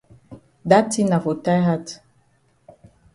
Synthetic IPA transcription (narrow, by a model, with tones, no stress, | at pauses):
da˦ti˦na˨vo˨ta˦ɦa˦t